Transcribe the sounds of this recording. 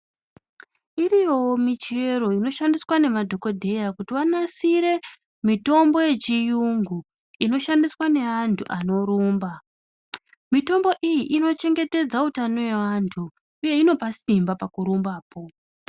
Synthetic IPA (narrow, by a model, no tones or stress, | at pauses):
iɾijo̞mit͡ʃe̞ɾo̞ino̞ʃandiswane̞madʱo̞ko̞dʱe̞jakutiwanasiɾe̞ | mito̞mbo̞je̞t͡ʃijuŋɡu | ino̞ʃandiswane̞antʰuʔano̞ɾuːmba | mito̞mbo̞ʔijiʔino̞t͡ʃe̞ŋɡe̞te̞d͡zautano̞we̞ʋantʰu | uje̞ino̞pasimbapakuɾumbaːpo̞